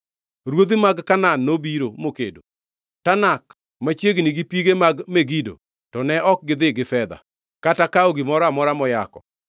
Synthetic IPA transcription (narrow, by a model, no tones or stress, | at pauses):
ɾwod̪imaɡkananːobiɾomokḛdo | tanak | mat͡ʃjeɡniɡipiɡemaɡmeɡido̰ | tɔnɛʔɔk̚ɡɪd̪ɪɡɪfɛd̪a̰ | katakaɔɡɪmɔɾamɔɾamɔjakɔ